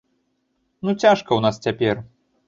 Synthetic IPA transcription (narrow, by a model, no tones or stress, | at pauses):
nut͡sʲaʂkɐwnast͡sʲapʲɛr